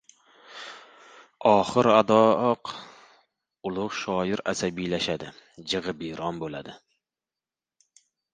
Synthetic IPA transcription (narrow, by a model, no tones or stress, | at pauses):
ɑːχəɾɑd̪ɑːq | ulˠʊχʃɑːjɪɾɛsɛbijlɛʃɛd̪ɪd͡ʒəʁəbiɾɑnbolˠɪ̰d̪ɪ